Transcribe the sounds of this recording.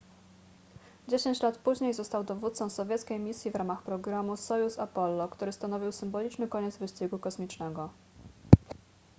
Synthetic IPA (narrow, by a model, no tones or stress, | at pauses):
d͡ʑeɕeɲt͡ɕlat̪puʑɲejzɔst̪awd̪ɔvut̪t̪sɔ̃w̃sɔvʲjɛt̪skʲejmʲisʲjivɾamaxpɾɔɡɾamusɔjusapɔlːɔkt̪uɾɘst̪anɔvʲiwsɘmbɔlʲit͡ʂnɘkɔɲɛd̪zvɘɕt͡ɕiɡukɔsmʲit͡ʂnɛɡɔ